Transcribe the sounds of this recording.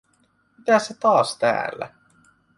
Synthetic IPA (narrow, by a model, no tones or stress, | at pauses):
mit̪æsset̪ɑːst̪æ̰ːlːæ̰